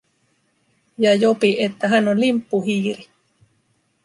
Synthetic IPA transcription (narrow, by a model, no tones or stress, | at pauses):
jɑjopiʔet̪ːaɦanonlimpːuhiːɾi